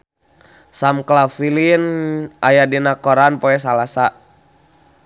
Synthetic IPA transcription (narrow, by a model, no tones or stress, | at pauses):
samklafilinʔajadinakɔɾanpɔɛs̬alasa